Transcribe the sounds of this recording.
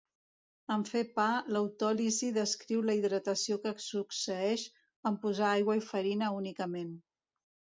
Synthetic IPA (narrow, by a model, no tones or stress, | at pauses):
əɱfepaləwt̪ɔliziðəskɾiwləiðɾət̪əsiokəksuksəɛʃ | əmpuzaajɣwəifəɾinəunikəmen